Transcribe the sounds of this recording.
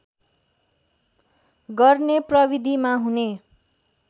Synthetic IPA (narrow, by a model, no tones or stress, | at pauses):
ɡʌrneprʌbid̪ʱimaɦune